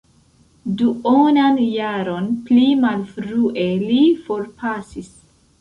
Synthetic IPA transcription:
duonanjaɾo̞nplimalfɾuʔelifo̞ɾpʰasis

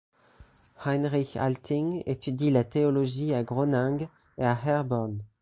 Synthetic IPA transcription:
hajnʁiça̰lt̪ʰĩŋḛt̪ʰyd̪ilat̪eoloʒiaɡʁonɛ̃ɡ | eahɛʁbɔʁn

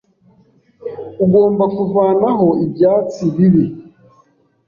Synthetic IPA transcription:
uɡo̞ːmbakuvaːnaɦo̞ibjaːt͡siβiβi

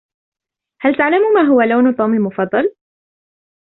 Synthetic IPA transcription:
halt̪aʕlamuːmaːɦʊwaloːnt̪ˤuːmalmʊfɑd̪ˤːɑl

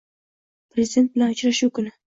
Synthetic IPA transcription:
pɾezɪd̪e̞nt̪̚bɪlanʊt͡ʃɾaʃukʊnɪ

